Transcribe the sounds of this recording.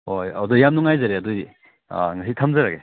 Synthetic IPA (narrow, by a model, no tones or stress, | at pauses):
hojɔdɔjamnuŋajzaɾeaduj̰ | ŋasitʰamzaɾaɡe